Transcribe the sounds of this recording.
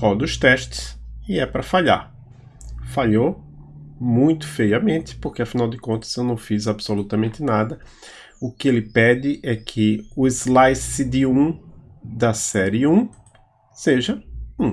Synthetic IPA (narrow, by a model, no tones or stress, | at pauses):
kɔd̪ʊst̪ɛʃt̪ɪ̥sɪɛpɾɐfaʎa̰ɾ | faʎo | mũj̃t̪ʊ̥fejɐmẽnt̪ɪ̥poɾkeɐfinawd̪ɪkõnt̪ɐ̥z̥ewnɐ̃w̃fizabsolut̪ɐmẽnt̪ɪnad̪ɐ | ʊkɪelɪpɛd̪ɪʔɛkʰɪʊɪzlajsid̪ɪũ | d̪ɐsɛɾiɪũ | seʒɐũ